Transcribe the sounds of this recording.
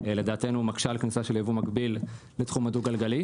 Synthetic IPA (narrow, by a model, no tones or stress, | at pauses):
eled̪aːtenumakʃalknisaʃeljevumakbilː | et̪χumaduɡalɡali